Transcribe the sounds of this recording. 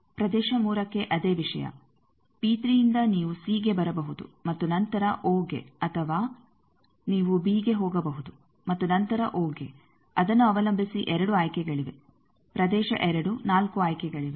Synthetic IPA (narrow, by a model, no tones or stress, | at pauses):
pɾɐd̪ɛːʃɐmuːɾɐkːe̞ʔɐd̪eːʋiʂɐ̰jɐ̰ | piːt̪ɾijind̪ɐniːʋusiːɡe̞bɐɾɐbɐɦud̪ṵmɐt̪ːunɐnt̪ɐɾɐʔoːɡe̞̰ɐt̪ʰɐʋaː | niːʋubiːɡe̞ɦɔːɡɐbɐɦud̪u | mɐt̪ːunɐnt̪ɐɾɐʔoːɡe̞̰ | ɐd̪ɐnːuɐʋɐlɐmbʱisiʔɛɾɐɽuaːjkɛɡɐɭiʋe̞̰ | pɾɐd̪ɛːʃɐ̰ʔɛɾɐɽunaːlkuaːjkɛɡɐɭiʋe